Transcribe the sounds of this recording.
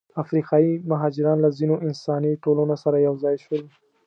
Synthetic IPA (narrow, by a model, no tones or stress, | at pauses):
afɾiqɑimaɦɑd͡ʒɪɾɑnlazinoʔɪnsɑniʈolunosaɾajawzɑjʃəwi